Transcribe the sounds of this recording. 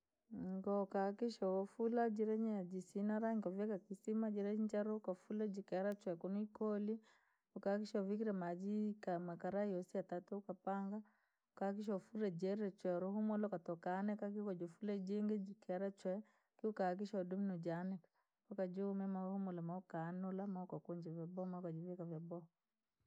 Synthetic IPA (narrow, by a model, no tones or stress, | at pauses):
ŋŋɡɔkakiʃɔɔfulad͡ʒiɾɛɲiad͡ʒisinaɾaŋkɔvɛkakisimad͡ʒiɾɛɲit͡ʃaɾɔkafulɛd͡ʒikɛɾat͡ʃwɛkunuikɔli | ukak̬iʃɔvikiɾɛmad͡ʒikamakaɾaiɔsiatatuukapaŋɡa | ukak̬iʃ̬ɔfuɾɛd͡ʒɛɾɛt͡ʃwɛɾuhumɔlakatɔkaːnɛkak̬ikɔd͡ʒɔfulɛd͡ʒiŋɡɛd͡ʒikɛɾat͡ʃwɛ | kiukak̬iʃadumnɔd͡ʒanɛkḁ | kɔkad͡ʒimɛmahumɔlamaukanɔlamakɔkuɲd͡ʒɛvɛbɔmakad͡ʒivɛkavabɔ